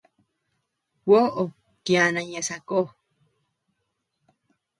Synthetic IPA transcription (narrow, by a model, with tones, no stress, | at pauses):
wo˦ʔo˨ | ki˧a˧nã˧ɲẽ˧sa˧ko˦˨